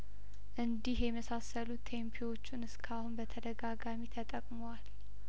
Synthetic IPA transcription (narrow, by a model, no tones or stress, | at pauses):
ʔɨnd̪ihjɛməsasəlut̪ʰːempʰiwo̞t͡ʃːunɨskʰahunbət̪ʰəd̪əɡaɡamit̪ʰət̪ʼəkʼmowal